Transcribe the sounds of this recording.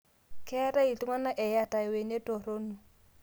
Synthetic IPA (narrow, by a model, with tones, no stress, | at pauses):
kɛ˦a˦ta˦i˨ti˦ŋa˦na˦ʔɛ˨ja˦ta˨ɪ˨we˨ne˦to˨ɾo˦nu˨